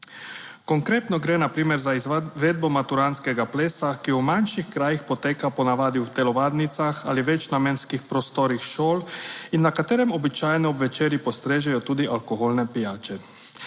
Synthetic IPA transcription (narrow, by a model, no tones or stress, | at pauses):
kɔŋkɾeːt̪nɔɡɾɛːnapɾiːmɛɾzaizʋɛːd̪̚bɔmat̪uɾaːnskɛɡapleːsakiumanʃixkɾaːjixpɔt̪eːkapɔnaʋaːd̪iwt̪ɛlɔʋaːd̪nit̪saxa̰liʋɛt͡ʃnamɛnskixpɾɔst̪ɔɾixʃoːlinːakat̪eːɾɛmɔbit͡ʃajnɛɔbʋɛt͡ʃeːɾjipɔst̪ɾeːʒɛjɔt̪uːd̪iʔalkoɦoːlnɛpijaːt͡ʃɛ